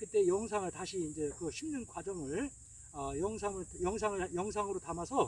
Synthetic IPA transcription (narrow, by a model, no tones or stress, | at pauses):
kɯt͈e̞jʌŋs̬ʰaŋɯɭtaɕʰiːnd͡ʑe̞kɯɕʰimnɯnkwad͡ʑʌŋɯɭ | ʌjʌŋsʰaŋɯɭjʌŋsʰaŋɯɭjʌŋs̬ʰaŋɯɾotamasʰʌ